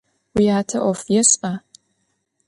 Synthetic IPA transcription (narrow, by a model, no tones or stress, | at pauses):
wiaːtʰɐʔɔfjɛsa